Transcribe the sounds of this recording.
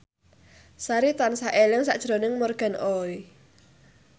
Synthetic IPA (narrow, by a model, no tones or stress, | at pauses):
saɾit̪ansaʔelɪŋsa̰ʔd̥ʒ̥ɾo̤nɪŋmɔrɡ̥a̤noi